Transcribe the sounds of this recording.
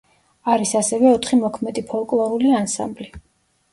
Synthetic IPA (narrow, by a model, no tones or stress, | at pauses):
aɾisasɛvɛɔt̪ʰχimɔkʰmɛd̪ipʰɔlˠkʼlˠɔɾuliansa̰mbli